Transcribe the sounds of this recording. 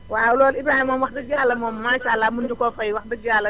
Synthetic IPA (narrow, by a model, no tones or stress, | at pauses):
walɔːlɪbɾaːhimɔmwɑxdɐd͡ʒaːlɐmɔmːaːʃaːlːamundukɔfɐjwɑxdɐd͡ʒaːlɐ